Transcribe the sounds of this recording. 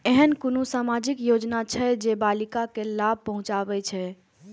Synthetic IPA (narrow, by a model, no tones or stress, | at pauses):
eɦənkonusamad͡ʒikjod͡ʒnat͡ʃʰɛd͡ʒebalikakelab̚ʱpəɦũt͡ʃabɛt͡ʃʰɛ